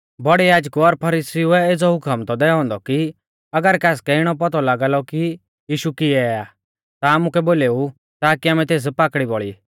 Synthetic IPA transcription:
bɔɽijaːd͡ʒkuɔɾpʰɐɾiːsiuɛed͡zɔɦʊkʰamt̪ɔd̪ɛːɔ̃ːnd̪ɔki | ɐɡəɾkaːskɛɪɽ̃ɔp̬ɔt̪ɔlaːɡaːlɔki | jiːʃukɪɛaː | t̪aaːmukɛboːleːu | t̪aːkiaːmɛ̃t̪eːs̬paːkɽibɔɭi

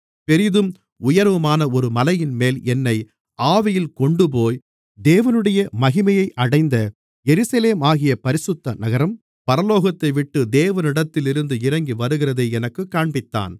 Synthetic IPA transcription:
pɛɾɪðɯm | ʊjɐɾʋɯmaːnɐɔɾɯmɐlɐjɪnmeːlɛnːɐɪ | aːʋɪjɪlkɔɳɖɯp̬oːj | d̪eːʋɐnɯɽɐjɐmɐɣɪmɐjɐɪʔɐɽɐɪnd̪ɐ | jɛɾɯsɐleːmaːɣɪjɐpɐɾɪsɯt̪ːɐnɐɣɐɾɐm | pɐɾɐloːɣɐt̪ːɐɪʋɪʈːɯd̪eːʋɐnɪɽɐt̪ːɪlɪɾɯnd̪ɯɪɾɐŋɡiʋɐɾɯɣɪɾɐðeɛnɐkːɯkːaːɳbɪt̪ːa̰ːn

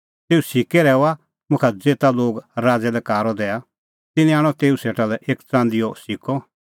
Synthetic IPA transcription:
t̪eːusɪkɛɾɛːɔa | mʊ̃kʰɛd͡zeːt̪aloːɡɾaːd͡zɛlɛkaːɾɔd̪ɛːa | t̪ɪnĩaːɽ̃ɔt̪eːuseːʈalɛʔeːkt͡sãːnd̪ɪjɔsɪkɔ

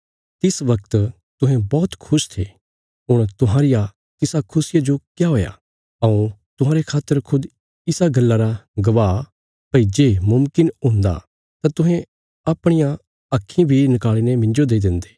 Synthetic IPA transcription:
t̪ɪsʋɐk̚t̪ | t̪ʊɦɛ̃bɔːt̪kʰʊʃt̪ʰeː | ɦʊɽ̃t̪ʊɦãːɾɪja | t̪ɪsakʰʊsɪjad͡ʒokjaɦoːja̰ | ɐũt̪ʊɦãːɾekʰaːt̪ːəɾkʰʊd̪ | ɪsaɡɐlːaɾaɡɐʋaː | pɐid͡ʒeːmʊmkɪnõːnd̪a̰ | t̪ãt̪ʊ̃ɦɛ̃ | ɐːpɽ̃ɪjã | ɐkʰːĩbʱinɪkaːɭiːnemɪ̃nd͡ʒod̪eːd̪ɪ̃nd̪e̥ː

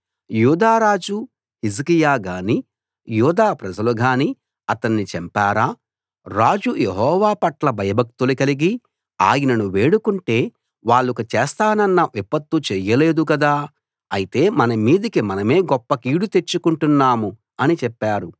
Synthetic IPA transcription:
juːd̪aːɾaːd͡ʒu | hizikijaːɡaːni | juːd̪aːpɾɐd͡ʒɐluɡaːni | ɐt̪ɐnːit͡ʃɛmpaːɾaː | ɾaːd͡ʒujeɦɔːʋaːpɐʈlɐbʱɐjɐbʱɐk̚t̪ulukɐliɡi | aːjinɐnuʋe̞ːɽukuɳʈe̞ː | ʋaːɭːukut͡ʃɛːst̪aːnɐnːɐʋipɐt̪ːut͡ʃɛːjɐle̞ːd̪ukɐd̪aː | ɐjit̪e̞ːmɐnɐmiːd̪ikimɐnɐme̞ːɡɔpːɐkiːɽut̪e̞t͡ʃːukuɳʈunːaːmu | ɐnit͡ʃɛpːaːɾu

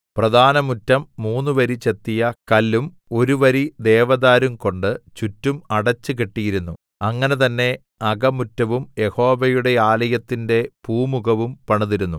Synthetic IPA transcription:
prɐd̪ʱaːnɐmutːɐmːuːnːuʋɐɾit͡ɕe̞t̪ːijɐkɐlːum | o̞ɾuʋɐɾid̪eːʋɐðaːɾumko̞ɳɖɨt͡ɕutːumɐɽɐt͡ɕːɨkeʈːijiɾunːu | ɐŋːɐne̞t̪̬ɐnːe̞ | ɐɡɐmutːɐʋumje̞ho̞ːʋɐjuɽe̞aːlɐjɐt̪ːinde̞puːmuɣɐʋumpɐɳuðiɾunːu

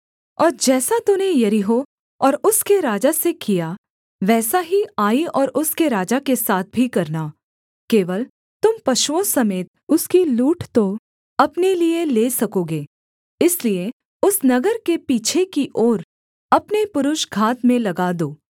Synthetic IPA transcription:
ɔːɾd͡ʒɛːsat̪ʊnejɐɾɪɦo | ɔːɾʊskeɾaːd͡ʒasekija | ʋɛːsaɦiaːiɔːɾʔʊskeɾaːd͡ʒakesaːt̪̚ʰbʱikɐɾna | keːʋəl | t̪ʊmpɐʃwõsɐmeːt̪̚ʊskiluːʈt̪o | ɐpnelieleːsɐkoːɡeː | ɪslie | ʊsnɐɡəɾkepiːt͡ʃʰekiʔɔːɾ | ɐpnepʊɾʊʃɡʱaːt̪mẽlɐɡaːd̪oː

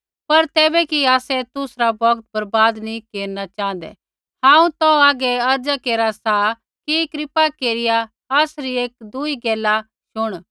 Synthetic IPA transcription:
pɐɾt̪ɛːbɛkiaːsɛt̪ʊsɾabɐɡt̪̚bɐɾbaːd̪nikeːɾnat͡ʃãːn̆d̪ɛ̰ | hãːũt̪ɔaːɡɛɐɾd͡ʒakeːɾasa | kikɾɪpakeːɾɪjaː | sɾieːk̚d̪ʊiɡɛːla | ʃʊɽ̃

